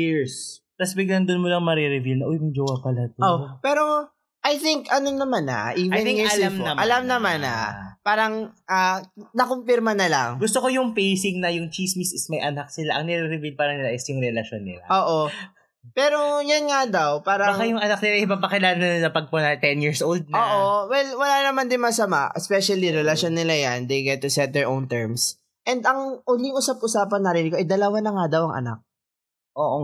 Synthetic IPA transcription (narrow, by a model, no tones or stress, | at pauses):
iɹst̪ɐsbɪɡlɐnd̪onmolɐŋmɐɾɛɾɪvilnɐʔojʊŋd͡ʒowɐpɐlat̪oopɛːɾo̞ | ʔɐjθɪŋkɐnonɐmanɐ̰ʔivjɛ̃nɪɪɐlmɐmʔɐalamnɐmana̰paːɾɐŋʔaːnɐkompɪɾmɐnɐlɐ̰ŋɡʊst̪okojʊŋpejsɪŋnɐjʊŋt͡ʃismisɪsmɐjʔɐnak̚sɪlaʔɐŋnɛɾɛɾɪvilpaːɾɐnɪlaʔɪsjʊŋɾɛlɐʃonːɪ̰la̰ʔoːʔo | pɛːɾo̞janŋad̪ɐwpaːɾɐbakajʊŋɐnak̚nɪlaɪbɐpɐkɪlaːnɐnlɐpɐɡ̚ponɐt̪ɛnjiɹsʔowld̪̚noːʔowɛlwɐlaːnɐmand̪ɪnmɐsɐma̰ʔɛspɛʃɐliɾɛlɐʃonːɪlajand̪ejɡɛt̪̚ːʊsɛt̪̚d̪ɛɹʔownt̪ɛɹms | ʔɛnd̪ɐŋʔʊlɪŋʔʊsap̚ʊsaːpɐnːɐɾinɪɡoʔɐjd̪ɐlɐwanɐŋad̪ɐwɐŋʔɐ̰na̰k̚ | ʔoːʔo